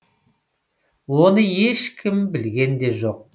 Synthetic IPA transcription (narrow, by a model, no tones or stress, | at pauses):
wo̞nəje̞ʃkʲʰɪmbɪlɡʲe̞nd̪e̞ʒo̞q̚